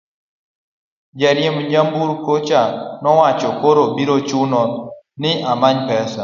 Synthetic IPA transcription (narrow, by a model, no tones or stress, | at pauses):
d͡ʒɛɾjɪmd͡ʒambuɾkot͡ʃanɔwat͡ʃɔkoɾobiɾot͡ʃunɔ | nɪʔamaɲpɛsa